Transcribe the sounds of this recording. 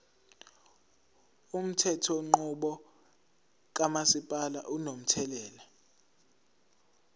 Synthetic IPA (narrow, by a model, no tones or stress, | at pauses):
um̩tʰɛtʰɔŋ͡ǃuɓɔ | k̬amasipʼala̰ʔunom̩tʰɛlɛːla